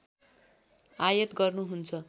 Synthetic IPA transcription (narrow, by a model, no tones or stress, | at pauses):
ajʌt̪ɡʌrnuɦunt͡sʰʌ